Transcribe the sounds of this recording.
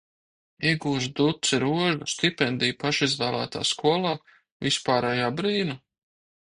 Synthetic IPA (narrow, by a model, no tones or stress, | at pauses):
iɛɡuːʒd̪ut̪siɾuɔʒust̪ipʲɛnd̪iːjpaʃizvæːlˠæ̰ːt̪a̰ːskuɔlˠaː | vispaːɾɛjaːbɾiːna